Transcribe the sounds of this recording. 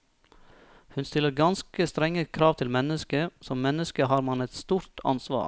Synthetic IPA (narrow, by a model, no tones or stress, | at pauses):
hʉnst̪ɪlːəɾɡɑnskəst̪ɾɛŋːəkʰɾɑːʋt̪ʰɪlmɛnəskəsɔmmɛnəskəɦɑːɾmɑnɛt̪st̪uːɾt̪ʰɑ̰nsʋɑ̰ːɾ